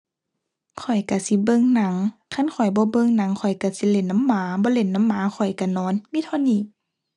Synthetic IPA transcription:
kʰɔ˨˩jka˧˩si˧˦bɤ˧˨ŋna˧˦ŋkʰa˧˥˨nkʰɔ˨˩jbɔː˧˦bɤ˧˨ŋna˧˦ŋkʰɔ˨˩jka˧˩si˧˦le˧˦nːa˧˨mːaː˨˦bɔː˧˦le˧˦nːa˧˥˨mːaː˨˦kʰɔ˨˩jka˧˩nɔː˧˦nmiː˧˥˨t̪ʰɔː˧˨niː˧˩˨

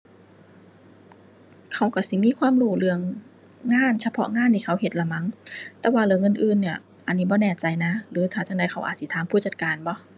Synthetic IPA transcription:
kʰa˧˩wka˧˩si˧˦miː˧˥˨kʰwaː˧˥˨mɾuː˧˩lɯ˧əŋː | aː˧˥˨nsʰa˧pʰɔ̰˧˥ŋaː˧˥˨nt̪ʰiː˧˩kʰa˧˦˩whe˨˩t̪̚la˧ma˧˥ŋt̪ɛː˧waː˧lɯ˧˦ŋɤ˧˥˨nʔɯː˧˨nːi˧˩ɐ | ʔa˧˨nːiː˦˥˩bɔː˧˦nɛː˧˩t͡ɕa˧jna˧˥lɯː˨˦t̪ʰaː˧˩t͡ɕa˧˨ŋdaː˧˩jxʰa˧˥˦wʔaː˨˩t̪̚si˧˦t̪ʰaː˨˦mpʰuː˧˩t͡ɕa˧˩t̪̚kaː˨nbɔ˧˦

